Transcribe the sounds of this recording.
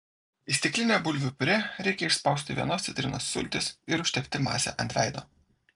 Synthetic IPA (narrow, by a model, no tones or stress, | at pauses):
ɪsʲt̪ʲɪklʲɪnʲɛːbʊlʲʋʲʊpʲɾʲɛɾʲɛɪkʲɛɪʃspɐʊsʲt̪ʲɪʋʲiɛnoːsʲɪt̪ʲɾʲɪ̰noːsːʊ̰lʲt̪ʲɪsɪɾʊʃʲt̪ʲɛpʲt̪ʲɪmɑ̰ːsʲɛ̰ʔɐnʲt̪ʲæɪd̪o̰ː